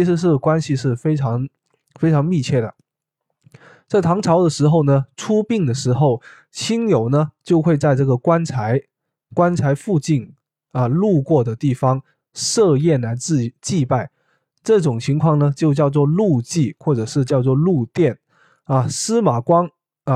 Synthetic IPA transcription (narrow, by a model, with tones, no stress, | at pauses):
t͡ɕʰi˧˥ʂɻ̩˧˥ʂ̬ɻ̩˥˩kwa˥nɕi˨ʂɻ̩˥˩fe˥ɪʈ͡ʂʰɑ˧˥ŋ | fe˥ɪʈ͡ʂʰɑ˧˥ŋmi˥˧t͡ɕʰjɛ˥˩ɾə̰˩ | t͡sa˥˩ɪt̪ʰɑ˧˥ŋʈ͡ʂʰɑ˧˥ʊd̪ə˧ʂɻ̩˧˥xo˥˧ʊnə˩ʈ͡ʂʰu˥pi˥˩ŋd̪ə˩ʂɻ̩˧˥xo˥˩ʊ | t͡ɕʰi˥njo˨˩ʊnə˦t͡ɕjo˥˧ʊxwe˥˧ɪt͡sa˥˧ɪʈ͡ʂɤ˥˩ɡə˩kwa˥nt͡sʰa˧˥ɪ | kwa˥nt͡sʰa˧˥ɪfu˥˧t͡ɕi˥˩n | a˧lu˥˧kwɔ˥˩d̪ə˩t̪i˥˩fɑ˧˥ŋ | ʂɤ˥˧jɛ˥˩nla˧˥ɪt͡s̩˥˩˨t͡ɕi˥˧pa˥˩ɪ | ʈ͡ʂɤ˥˩ʈ͡ʂʊ˨˩ŋt͡ɕʰi˧˥ŋkʰwɑ˥˩ŋnə˩t͡ɕjo˥˧ʊt͡ɕjɑ˥˧ʊt͡swɔ˥˧lu˥˧t͡ɕi˥˩xwɔ˥˩ʈ͡ʂɤ˨˩ʂɻ̩˥˧t͡ɕjɑ˥˧ʊt͡swɔ˥˧lu˥˧t̪jɛ˥˩n | a˧˩sɹ̩˥ma˨˩kwɑ˥n˩